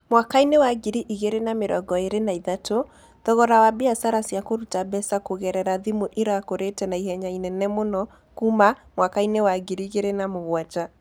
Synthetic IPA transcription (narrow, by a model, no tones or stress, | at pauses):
mwakainewaɡiɾiʔiɣeɾenameɾɔ̰ɡɔeɾenaiðato | ðɔɣɔɾawabiasaɾasjakoɾutabɛsakoɣɛɾɛɾaðimoʔiɾakoɾetɛnaihɛɲainɛnɛmonɔ | kumamwakainewaɡiɾiɣeɾenamoɣwat͡ʃa